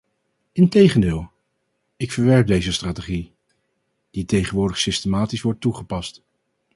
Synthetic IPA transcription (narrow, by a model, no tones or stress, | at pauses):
ɪntejχəndɪːlˠ | ɪkfəɹʋɛɹp̚dejzəstraːtəχi | d̥itejχənʋʊːɹdəχsɪstəmaːtisʋɔɹtːuχəpɑst